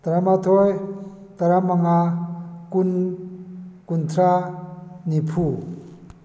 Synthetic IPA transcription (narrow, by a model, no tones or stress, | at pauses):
t̪aɾamat̪ʰoj | t̪aɾamaŋakun | kunt̪ʰɾa | nipʰu